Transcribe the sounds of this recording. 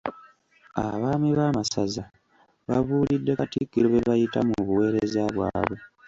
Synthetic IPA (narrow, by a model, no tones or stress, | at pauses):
aβaːmiβaːmasaza | βaβuːlidːe̞katikːiɾoβeβajita̰muβuwe̞ːɾezaβwa̰ːβwe̞